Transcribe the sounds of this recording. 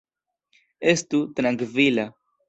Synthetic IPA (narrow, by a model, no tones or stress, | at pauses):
estut̪ɾaŋkvila